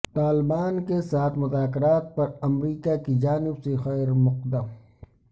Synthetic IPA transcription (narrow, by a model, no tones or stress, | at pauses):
t̪aːlɪbaːnkesaːt̪ʰmʊzaːkɪɾaːt̪̚pɐɾɐmɾiːkakid͡ʒaːnɪbsexɛːɾmʊq̚d̪əm